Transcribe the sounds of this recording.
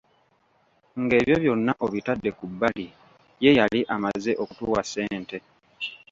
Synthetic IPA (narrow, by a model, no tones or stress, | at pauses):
ŋɡe̞ːβjo̞βjo̞nːaʔo̞βitadːe̞kubːali | je̞jaliʔamaze̞ʔo̞kutuːwase̞ːnte̞